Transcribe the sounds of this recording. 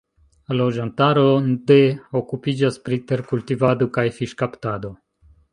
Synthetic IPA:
lo̞d͡ʒantaɾodeokupid͡ʒaspɾit̪e̞ɾkultivad̪o̞kajfiʃkaptad̪o̞

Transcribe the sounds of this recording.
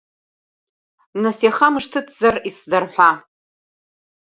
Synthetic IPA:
nasjaχamɨʂtʰɨt͡sʰzariszarħʷa

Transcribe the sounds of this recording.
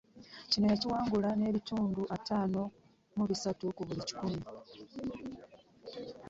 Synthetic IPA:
cino̞jaciwaːŋɡulane̞ːβituːnduʔataːno̞ | muβisatukuβulici̥kumi

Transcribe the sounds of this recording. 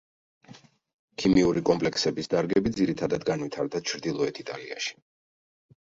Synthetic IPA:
kʰimiuɾikʼɔmpʼlɛksɛbisd̪aɾɡɛbid̪ziɾit̪ʰad̪ad̪ɡanwit̪ʰaɾd̪at͡ʃʰɾd̪ilˠɔɛt̪ʰit̪ʼalia̰ʃi̥

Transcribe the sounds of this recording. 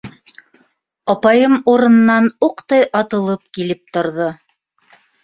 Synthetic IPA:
ɑpɑjɤmuɾɤ̆nɤ̆nːɑnuqt̪ɑjʔɑt̪ɤ̆lˠɤp̚kilɘp̚t̪ŏɾðo

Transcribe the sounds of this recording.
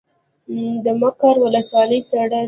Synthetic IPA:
d̪əmakaɾwʊləswɑləjsaɽa

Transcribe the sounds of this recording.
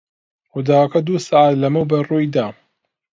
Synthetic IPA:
xʊd̪aːwɐkɐd̪uːsaʕat̪lɐmɨwbɐrujd̪aː

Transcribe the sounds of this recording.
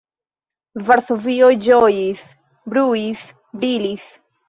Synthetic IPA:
vaɾso̞viojd͡ʒojis | bɾuis | bɾilis

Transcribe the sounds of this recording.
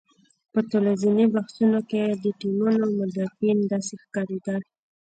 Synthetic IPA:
pət̪əlazinibahsunoked̪əʈilunawmʊd̪afind̪ɑsexkɑɾed̪a

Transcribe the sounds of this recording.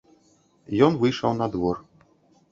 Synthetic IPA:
jɔnvɨjʂawnad̪vɔr

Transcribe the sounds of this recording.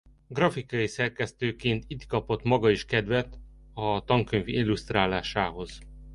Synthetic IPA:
ɡrɒfikɒjisɛrkɛst̪øːkeːnt̪it̪kɒpot̪mɒɡɒiʃkɛd̪ʋɛt̪ɒt̪ɒŋkøɲvilːust̪raːlaːʃaːɦo̞z̥

